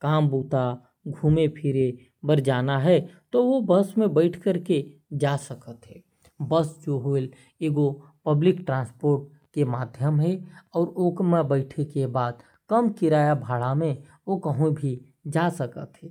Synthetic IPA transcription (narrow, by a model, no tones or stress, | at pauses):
kaːmbuːt̪a | ɡʱuːmepʰɪɾe | bəɾd͡ʒaːnaɦɛt̪oʋobəsmẽbəɪʈʰkəɾked͡ʒasəkət̪ɦɛː | bəsd͡ʒoɦol | eːɡopəblɪkʈɾãːnspoːɾʈ̚ | kemaːd̪ʱjəmɦɛɔːɾoːkmẽbəɪʈʰekebaːd̪ | kəmkɪɾaːjabʱaːɽamẽ | okəɦũbʱi | d͡ʒasəkə̰t̪ɦɛː